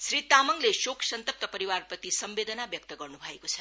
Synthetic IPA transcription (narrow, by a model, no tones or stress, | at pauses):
srit̪amʌŋlesokʰsʌnt̪ʌp̚t̪ʌpʌɾiwarprʌt̪isʌmbed̪ʌnabjʌk̚t̪ʌɡʌrnubʱʌekot͡sʰʌ̥